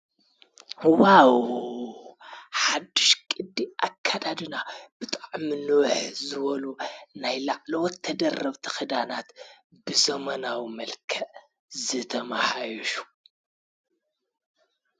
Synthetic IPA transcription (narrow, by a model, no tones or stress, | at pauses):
waw | ħad̪ːɨʃkʼɨd̪ːiʔakʰːad̪ad̪ɨnab̥ɨt̪ʼaʕmɨnɨwħzɨβɐlunajlaʕlɐwɔt̪ʰːɐd̪ɐrːɐβt̪ʰixɨd̪anat̪ | bɨzɐmɐnawimɐlkʰɐʔ | zɨt̪ʰɐmaħajuʃu̥